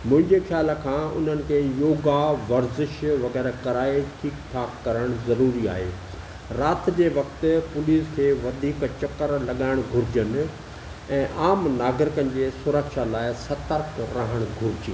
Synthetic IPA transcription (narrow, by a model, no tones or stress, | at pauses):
mʊ̃ɦɪ̃ɲd͡ʑexjaːləkʰãːʊ̰n̤ənɪ̆kʰeːjoːɡaʋɐɾzɪʃʋɐɣɛːɾkɐɾaːiʈʰiːkt̪ʰaːkɐɾəɽ̃zɐɾuːɾia̰ːɦḛː | ɾaːt̪d͡ʑeːʋɐkt̪ɪ̆pʊliːskʰeːʋɐd̪ʱiːkt͡ɕɐkəɾlɐɠaːɪɽ̃ɡʱʊɾɪd͡ʑən̆ | ɛ̃ːʔaːmnaːɡɾɪkənɪ̆d͡ʑeːsʊɾəkʃalaːɪsɐt̪əɾkʰɾaɦəɽ̃ɡʱʊɾɪd͡ʑiː